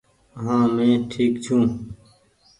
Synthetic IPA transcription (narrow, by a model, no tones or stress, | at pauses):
əɦãːmẽːʈʰiːkt͡ʃʰũː